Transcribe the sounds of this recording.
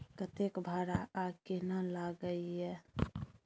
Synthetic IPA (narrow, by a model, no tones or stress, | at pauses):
kət̪ekbʱaːɾaakenəlaɡəiɦɛ